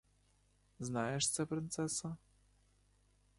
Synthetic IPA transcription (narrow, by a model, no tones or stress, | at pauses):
znajɛʂt̪sɛpɾɪnt̪sɛsa